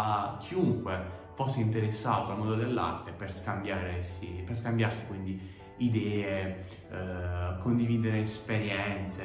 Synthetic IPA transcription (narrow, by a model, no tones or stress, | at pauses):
kʰːiuŋkwefosːeint̪eɾesːaːt̪oalmɔnd̪od̪elːa̰rt̪eperskambjaːɾesiperskambjarsi̥kwind̪i | id̪ɛːe | kond̪iviːd̪eɾeespeɾjɛnt̪se